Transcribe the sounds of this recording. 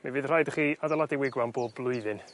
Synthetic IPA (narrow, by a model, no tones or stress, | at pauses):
mavɨðr̥ajdəχiːadalˠadiwɪɡwanboːbblˠʊɨðɨn